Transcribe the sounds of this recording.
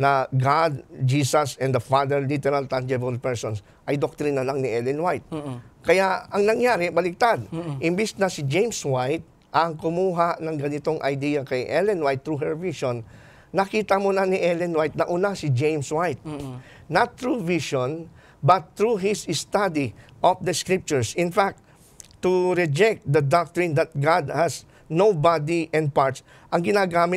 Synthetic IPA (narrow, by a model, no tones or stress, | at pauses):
nɐɡad̪̚d͡ʒisɐsɛ̃nd̪ɐfad̪ɛɹlit̪ɛɾalt̪and͡ʒɛbɐlpɛɹsons | ʔɐjd̪ok̚t̪ɾinɐlaŋnɪʔɛlɛnwajt̪̚kɐjaɐŋnɐŋjaːɾɪbɐlɪk̚t̪ad̪̚ʔɪmbisnɐsɪd͡ʒejmswajt̪̚ | ʔɐŋkʊmuːɦaʔnɐŋɡɐnɪt̪o̞ŋʔɐ̰jd̪iːjɐkɐjʔɛlɛnwajt̪ːɹuɦɛɹviʃonː | ɐkiːt̪ɐmonɐnɪʔɛlɛnwajt̪̚nɐʔuːnasɪd͡ʒẽjmswajt̪̚ | nɐt̪ːɹuviʃon | bɐt̪ːɹuɦɪsst̪ad̪iʔɔfd̪ɐskɹip̚t͡ʃʊɹsɪnfak̚t̪ | t̪ːʊɹɛd͡ʒɛk̚t̪̚d̪ɐd̪ak̚t̪ɹɪ̃nd̪ɐt̪̚ɡad̪hɐs | nowbad̪iʔɛnd̪̚paɹt̪s | ʔɐŋɡɪnaːɡaːmɪ